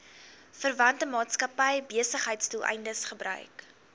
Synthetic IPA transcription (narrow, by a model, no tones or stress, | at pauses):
fərvɐntəmɑːtskɐpəjbiəsəχɦəjtstulˠʔɛ̰jndəsχəbrœ̰ɥk